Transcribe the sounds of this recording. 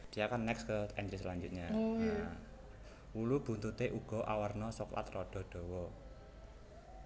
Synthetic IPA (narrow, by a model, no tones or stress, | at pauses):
d̪̥i̤jakanːɛkskəɛnt̪ɾislaɲd͡ʒut̪̚ɲa | wulub̥ṳnt̪ut̪eʔuɡ̥ɔ̤ʔawərnɔsɔkla̰t̪rɔɖ̥ɔ̤ɖ̪̥ɔ̤wɔ